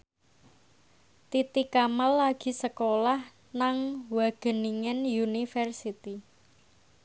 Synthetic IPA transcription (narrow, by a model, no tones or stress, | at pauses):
t̪it̪ikamalːaɡ̥i̤səkolah | naŋwaɡ̥ə̤niŋɛnjunifɛrsit̪i